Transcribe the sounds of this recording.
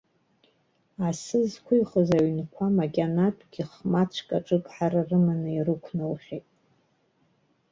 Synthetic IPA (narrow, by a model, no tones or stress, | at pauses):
asɨzkʷʰʊiχəzaɥnkʷʰamaɡʲanatʷʰʼɡʲiχmat͡ɕʷʰkʼaʈ͡ʂʼɨkʼħararɨmanɨirɨkʷʰnɨlχʲejtʼ